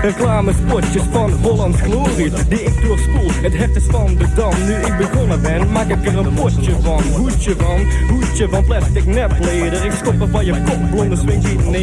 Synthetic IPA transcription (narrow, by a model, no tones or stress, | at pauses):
rəklaːməspɔɹtjəsfɑnɦolˠɑntxloːrisdiɪk̚dʊːspulˠtətɦɛptəsfɑnbədɑmnyɪk̚bəkɔnəbɛnmaːkəkərənpɔ | əvɑnɦut͡ʃəvɑnhutjəvɑnplɛstɪknɛpχlɪːdərɪkstɔpəfɔnjəkɔpblɔndəsʋɪnin